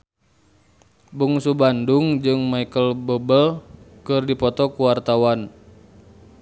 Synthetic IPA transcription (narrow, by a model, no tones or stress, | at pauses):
buŋsubanduŋd͡ʒɨŋmaikəlbɔbəlkɨrdipɔt̪ɔkuwart̪awan